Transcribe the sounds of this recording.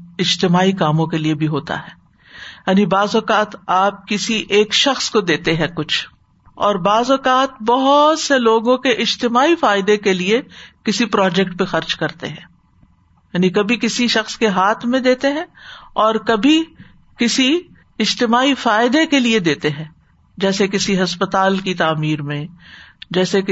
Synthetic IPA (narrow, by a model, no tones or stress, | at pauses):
ɪd͡ʒt̪ɪmaːikaːmõkeliebʱiɦoːt̪a̰ɦɛː | jaːnibaːzɔkaːt̪aːp̚kɪsiʔeːkʃɐxskod̪eːt̪eɦɛ̃kʊt͡ʃʰ | ɔːɾbaːzɔkaːt̪bɐɦʊt̪seloːɡõkeʔɪd͡ʒt̪ɪmaːifaːɪd̪ekeliekɪsipɾɔːd͡ʒɛkʈ̚pexɐɾd͡ʒkɐɾt̪ḛɦɛ̃ː | jaːnikɐbʱikɪsiʃɐxskeɦaːt̪ʰmẽd̪eːt̪eɦɛ̃ːɔːɾkɐbʱi | kɪsi | ɪd͡ʒt̪ɪmaːifaːɪd̪ekelied̪eːt̪eɦɛ̃ː | d͡ʒɛːsekɪsiɦɐspɐt̪aːlkit̪aːmiːɾmẽd͡ʒɛːsek